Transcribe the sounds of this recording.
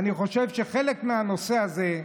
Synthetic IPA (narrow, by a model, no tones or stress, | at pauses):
niχo̞ʃevʃeχelekmeano̞seaze